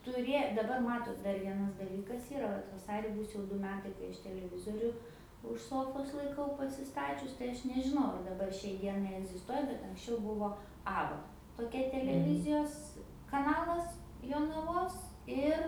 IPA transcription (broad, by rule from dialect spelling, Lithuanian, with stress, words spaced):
tʊˈrʲeː dɐˈbɐr ˈmɑːtoːt dɐr ˈʋʲiɛnɐs dɐˈlʲiːkɐs ˈiːrɐ ˈʋɐt ʋɐˈsɑːrʲɪ ˈbuːs jɛʊ ˈdʊ ˈmʲæːtɐɪ kɐɪ ˈɐʃ tʲɛlʲɛˈʋʲɪzoːrʲʊ ʊʃ ˈsoːfoːs lˠɐɪˈkɐʊ pɐsʲɪˈstɑːt͡ʃʲʊs tɐɪ ˈɐʃ nʲɛʒʲɪˈnɐʊ ɐr dɐˈbɐr ʃʲɛɪ ˈdʲiɛnɐɪ ɛɡzʲɪsˈtuɔjɛ bʲɛt ɐŋksʲˈt͡ʃʲɛʊ ˈbʊʋoː ˈɑːbɐ toːˈkʲɛ tʲɛlʲɛˈʋʲɪzʲɪjoːs kɐˈnɑːlˠɐs joːnɐˈʋoːs ˈɪr